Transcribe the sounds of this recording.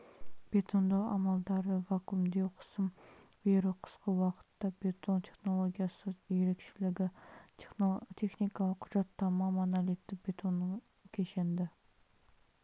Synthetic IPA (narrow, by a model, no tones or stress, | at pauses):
b̥et̪ʰond̪ɑʁɑ̰mɑlˠd̪ɑɾəvɑkumd̪ewqʰə̥smbeɾuqʰə̥sqəwɑqʰə̥t̪ːɑbet̪ʰont̪ʰeχnolˠoɡʲijɑsɨziɾekʲʃɪlɪɡʲɪ | t̪ʰeχnikʰɑlˠəqʰʊʒɑt̪ʰːɑmɑmɑnɑlit̪ːɪkb̥et̪ʰonːɪŋ | kʲʰeʃend̪ɪ